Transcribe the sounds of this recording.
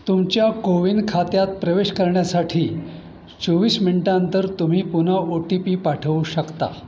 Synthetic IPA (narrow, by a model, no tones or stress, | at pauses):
t̪umt͡ɕjakoʋinkʰat̪jat̪̚pɾəʋeɕkəɾɳjasaʈʰiː | t͡soʋiːsminʈant̪əɾt̪um̤iːpun̤aoʈipiːpaʈʰəʋuɕəkt̪a̰